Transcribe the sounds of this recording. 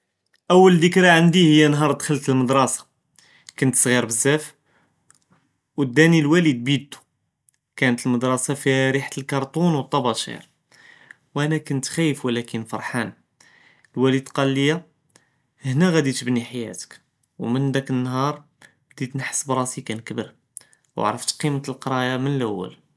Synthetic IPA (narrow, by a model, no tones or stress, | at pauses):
ʔəwːəld̪əkɾaʕənd̪ihəjːænɦɑɾˤd̪xəlt̪əlməd̪ɾˤɑsɑ̥ | kʊnt̪sˤɣiɾbəzːæf | wəd̪ːænilwælid̪̚bid̪t̪u̥ | kænət̪əlməd̪ɾˤɑsɑfiɾiħt̪əlkɑɾˤt̪ˤunwət̪ˤːɑbɑʃḭɾ | wʔænækʊnt̪xæjːəfwəlækənfɑ̰ɾˤħan | əlwælid̪qɑlːəjːa | hnæɣæd̪it̪əbniħajæ̰t̪ə̥k | wmənd̪ækənːhɑɾˤ | d̪it̪nəħsəbɾˤɑsikænkbəɾ | wa̰ʕɾəft̪qimət̪əlqɑɾˤɑjamənəlʔæwːæ̰l